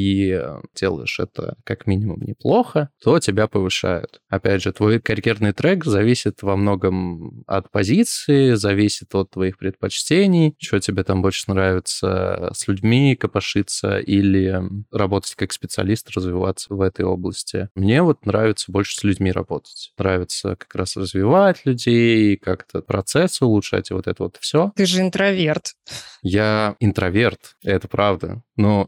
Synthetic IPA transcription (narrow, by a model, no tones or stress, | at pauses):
idʲelˠə̰jɪ̰ʂɛ̰t̪ə̰kakmʲinʲɪmʊmnʲɪplˠo̞xət̪ʰo̞tʲɪbʲapəvɨʂa̰jʊ̰t̪ɐpʲædʲʐɨt̪vo̞jkɐɾʲjernɨjt̪ɾɛkzɐvʲisʲɪt̪vɐmno̞ɡəmɐ̰t̪pɐzʲit̪sɨɪzɐvʲisʲɪ̥t̪ot̪ːvɐixpɾʲɪt̪̚pɐt͡ɕtʲenʲɪjt͡ɕɪvotʲɪbʲet̪ambo̞lʲʂənɾavʲɪt̪sə̰sʲlʲʉdʲmʲikəpɐʂɨt̪sə̰ʔilʲɪrɐbo̞t̪ətʲkakspʲɪt̪sɨɐ̰lʲist̪ɾəzvʲɪva̰t̪sːəvɛt̪əjo̞̰blˠəsʲtʲɪ̰mnʲe̞vo̞t̪nɾavʲɪt̪səbo̞lʲʂɨ̥sʲlʲʉdʲmʲiɾɐ̰bo̞t̪ə̥tʲnɾavʲɪt̪sə̰kɐ̥kɾasrəzvʲɪvatʲlʲʉdʲejkakt̪ʰəpɾɐt̪sɛsːɨʊlˠʊtʂa̰tʲɪvo̞t̪ɛt̪əvot̪fsʲot̪ɨʐɨɪnt̪ɾɐvʲert̪jaɪnt̪ɾɐvʲe̞rt̪ɛt̪əpɾavd̪ə̰no